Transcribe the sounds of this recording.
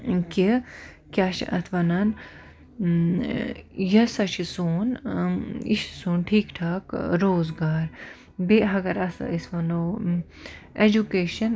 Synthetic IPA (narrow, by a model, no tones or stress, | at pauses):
ki | kʲjaːʃʔɐ̰t̪ʰʋɐnɐn | jɐsɐʃʰisuːn | ḭʃsuːnʈʰiːkʈʰaːkɾoːzɡaːɾ | beɦɐɡɐɾɐsisʋɐnoː | ed͡ʒukeːʃɐn